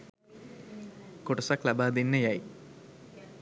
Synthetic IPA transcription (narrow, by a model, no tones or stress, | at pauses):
kuʈɐsaklabaːd̪inːəjaji